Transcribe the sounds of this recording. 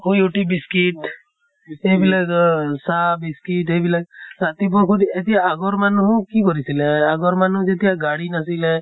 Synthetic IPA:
hojoʈibiskiʈ | ebilaɔsabiskiʈebilaɡat̪ib̬ɔkʰud̪iet̪ijaːɡɔɾmanuɦũkikɔɾisilɛaɡɔɾmanud͡ʒet̪ijaɡaɽinasilɛ

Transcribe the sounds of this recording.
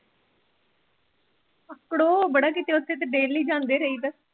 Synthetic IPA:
əkɽoːbəɽaːkit̪eːʊt̪ʰːeːt̪eɖeːliːd͡ʒãːnd̪eːɾəiːbəs

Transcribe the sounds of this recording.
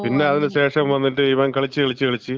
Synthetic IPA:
pinːe̞ɐðinɨɕe̞ːʂɐmʋɐnːiʈːɨiʋɐŋkɐɭit͡ɕːɨʋeɭit͡ɕːɨʋeɭit͡ɕːɨ

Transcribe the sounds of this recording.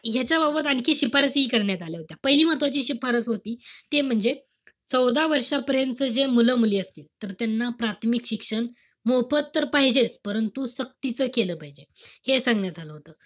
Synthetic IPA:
ɦjat͡ɕjababət̪añkʰeɕipaɾəsɦiːkəɾɳjat̪aleɦot̪japəɦiliːm̤at̪ʋat͡ɕiːɕipaɾət͡sɦot̪iːt̪em̤əɳd͡ze | t͡səwd̪aʋəɾʂapəɾjənt̪t͡səd͡zemuləmuliːəst̪iːlt̪əɾt̪janːapɾat̪ʰmikɕikʂəɳ | mopət̪t̪ːəɾpaɦid͡ʑet͡spəɾənt̪usək̚t̪it͡səːkeləːpaɦid͡ʑehesãŋɡɳjat̪aləɦot̪əː

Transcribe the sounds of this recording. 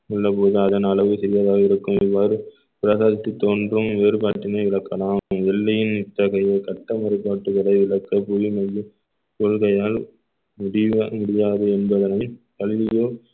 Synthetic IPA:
ɪɭːɐpoːðɯɐðɐnɐlɐʋɯsɪɾɪjaːðaːɣɐɪɾɯkːɯmɪʋːaːɾɯ | pɪɾɐsaːðɪt̪ːit̪ːoːndrɯmeːɾɯpaːʈːɪnɐɪʋɪɭɐkːɐlaːmɛlːɐjɪnɪt̪ːɐɣɐjɐɪkɐʈːɐmɐɾɯpːaːʈːɯɣɐɭɐɪʋɪɭɐkːɐpujimɐjːɯ | koɭɣɐjaːl | mʊɽɪmʊɽɪjaːðɯɛnbɐðɐnɐɪnkɐɭɪːɪjoː

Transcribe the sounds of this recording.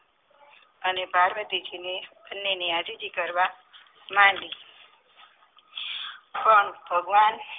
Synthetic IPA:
ənepaɾʋət̪id͡ʒinebʱənːeniad͡ʒid͡ʒikəɾʋa | manli | pəɳbʱəɡʋan

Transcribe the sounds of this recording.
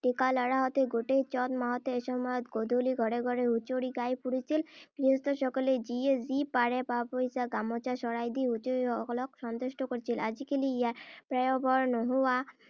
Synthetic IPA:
ʈikalɔɾaɦɔt̪eɡoʈet͡ɕɔt̪maɦɔt̪eeʃɔmɔjɔt̪ɡod̪ʱoliɡʱɔɽeɡʱɔɾeut͡ɕoɽiɡajpuɽit͡ɕʰilkɾiost̪oʃɔkoled͡ʑiezipaɾepapojsaɡamɔt͡ɕaʃɔɽajd̪iut͡ɕoɾiɔklokʃɔnt̪oʃʈokoɾt͡ɕʰilad͡ʑikiliiapɾajobɔɾnɔɦoa

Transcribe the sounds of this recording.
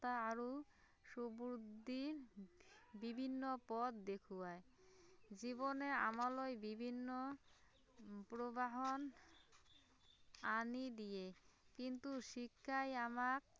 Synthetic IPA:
t̪aaɾo | ʃubud̪iɾ | bibʱinːopɔt̪d̪ekʰuae | d͡ʑibonea̰malojbibʱinːo | pɾobaɦon | anid̪ijekint̪uʃikʰːajamak

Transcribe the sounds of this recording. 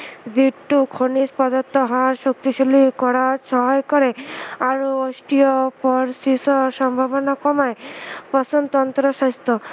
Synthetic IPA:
d̪iʈːukʰonispɔd̪ɔt̪ːɔɦaɾʃok̚t̪iʃolikɔɾaʃɔɦɔjkɔɾeaɾuosʈijɔpɔɾsisɔʃɔmbʱabɔnakɔmajpɔsɔnt̪ɔnt̪ɾɔʃast̪ʰɔ

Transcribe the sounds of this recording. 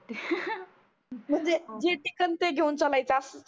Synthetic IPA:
m̤əɳd͡zed͡ʑeʈikənt̪eɡʱeunt͡səlajt͡sas

